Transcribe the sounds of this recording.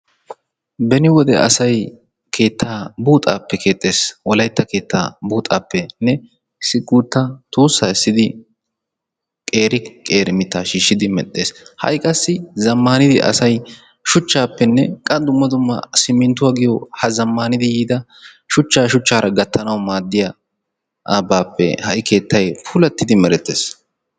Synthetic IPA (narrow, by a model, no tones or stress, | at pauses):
bɛnɪwɔd̪ɛ̰ɐ̰sɐj | kʰe̞ːt̪ʰːaːbuːt̪ʼa̰ːpːɛkʰe̞ːt̪ʼːe̞ːswɔlɐjt̪ːɐke̞ːt̪ːa̰ːbuːt̪ʼaːpːɛnɛ | sɪɡʼːuːt̪ːɐt̪uːsːaːɪsːɪd̪ɪ | kʼe̞ːɾɪkʼe̞ːɾɪmɪt̪ːaːʃiːʃːɪd̪ɪmɛt̪ʼːe̞ːshɐ̰jkʼːɐsːɪzɐmːaːnɪd̪ɪ̰ʔɐ̰sɐj | ʃʊt͡ʃːaːpːɛnːɛ̰kʼɐd̪ʊmːɐd̪ʊmːɐ̰sɪmːɪnt̪ːʊwaːɡɪjɔhɐzɐmːaːnɪd̪ɪjiːd̪ɐ | ʃʊt͡ʃːaːʃʊt͡ʃːaːɾɐɡɐt̪ːɐnɐwmaːd̪ːɪja | ʔaːbaːpːɛ̰hɐ̰ʔɪkʰe̞ːt̪ːɐjpʰʊːlɐt̪ːɪd̪ɪmɛɾɛt̪ːe̞̰ːs